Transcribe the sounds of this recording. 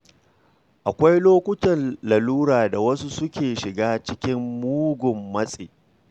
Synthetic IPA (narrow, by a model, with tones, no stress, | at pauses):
ʔa˨kʷa˦jloː˦kʷʊ˦tɐ˨nlɐ˨luː˦ɾaː˨da˨wɐ˦su˦sʊ˦kʲʰeː˨ʃɪ˨ɡaː˦t͡ʃɪ˦kʲɪ˦mːuː˦ɡʷʊ˨mːɐ˦sʼḛː˨